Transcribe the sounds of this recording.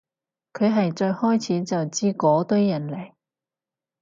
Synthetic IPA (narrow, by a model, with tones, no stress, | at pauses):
kʰɵ˨˧ɥɦɐ˨jt͡ʃɔː˧jhɔː˥jt͡sʰiː˨˥t͡sɐ˨wt͡siː˥kɔː˨˧˥t̪ɵ˥ɥjɐ˨˩nlɐ˨˩j